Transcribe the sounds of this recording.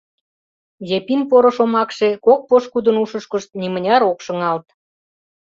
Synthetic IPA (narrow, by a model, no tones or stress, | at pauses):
jepinpoɾŏʃomɑkʃekok̚poʃkud̪ənuʃə̆ʃkə̆ʃt̪̚nimə̆nʲɑɾokʃɤ̆ŋɑlt̪